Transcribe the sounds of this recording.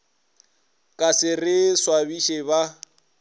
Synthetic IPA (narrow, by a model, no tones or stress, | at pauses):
kʼasɪrɪswabiʃeba